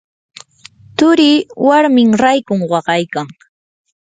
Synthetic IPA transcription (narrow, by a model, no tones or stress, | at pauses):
t̪ʊɾiːwaɾmɪŋɾajkʊŋwɑɢɑjkaŋ